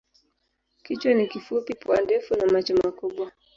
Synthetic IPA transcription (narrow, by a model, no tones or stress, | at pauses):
kit͡ʃwanikifupipuandɛfunamat͡ʃɔmakuɓwa